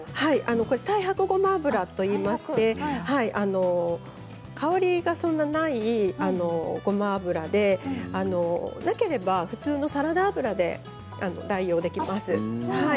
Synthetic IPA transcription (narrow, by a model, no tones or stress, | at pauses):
haiʔano̞ko̞ɾe̞t̪aihakɯ̟ɡo̞maːbɯ̟ɾat̪o̞iːmaɕi̥t̪e̞haiʔano̞ | kʰaoɾʲiɡasõ̞nːanaiano̞ɡ̥o̞maːbɯ̟ɾad̪e̞ano̞nake̞ɾe̞baɸɯ̟t͡sɨːno̞saɾad̪aːbɯ̟ɾad̪e̞̰ | a̰no̞̰d̪aijo̞ːd̪e̞kʲimasɨhai